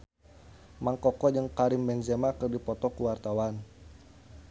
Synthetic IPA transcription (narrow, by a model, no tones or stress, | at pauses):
maŋkɔkɔd͡ʒəŋkaɾimbɛnzɛmakɨrdipɔt̪ɔkuwart̪awan